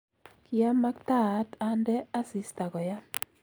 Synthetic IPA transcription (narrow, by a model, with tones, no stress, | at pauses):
kɪa˦ma˦kta˦˨˦ta˦ndɛ˦a˦si˨sta˨kɔ˨ja˦